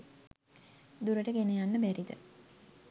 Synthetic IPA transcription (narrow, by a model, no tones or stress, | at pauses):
d̪uɾəʈəɡenejanːəbæɾid̪ə̰